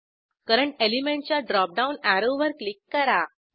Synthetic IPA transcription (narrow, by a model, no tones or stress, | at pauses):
kaɾəɳelimẽɳʈ̚t͡ɕjaɖɾɔp̚ɖaunæɾoʋʋəɾklikːəɾa